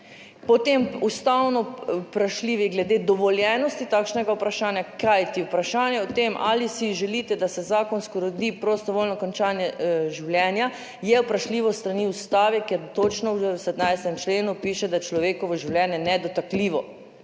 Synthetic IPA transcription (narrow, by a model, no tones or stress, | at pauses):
pɔt̪emust̪awnɔpɾaʃliːʋiɡlɛd̪eːd̪ɔʋɔljɛnɔst̪it̪aːkʃnɛɡaupɾaʃaːnjakajt̪iupɾaʃaːnjɛɔt̪emʔa̰lisiʒɛliːt̪ɛd̪asɛzaːkɔnskɔɾod̪iːpɾost̪ɔʋoːlnɔkɔnt͡ʃaːnjɛʒiwljɛnja | jɛwpɾaʃliːʋɔst̪ɾaniust̪aːʋɛkɛɾt̪ot͡ʃnɔwsɛd̪najst̪ɛmt͡ʃleːnupiːʃɛd̪at͡ʃlɔʋeːkɔʋɔʒiwljɛnjɛnɛd̪ɔt̪akliːʋɔ